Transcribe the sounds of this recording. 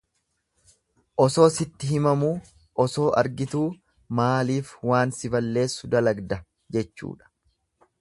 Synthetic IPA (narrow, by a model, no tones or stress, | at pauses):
ʔɔso̞ːsɪt̪ːɪɦɪmɐmuː | ʔɔso̞ːʔɐɾɡɪt̪uː | maːliːfwaːnsɪbɐlːe̞ːsːʊd̪ɐlɐɡd̪ɐ | d͡ʒɛt͡ʃːṵːᶑɐ̥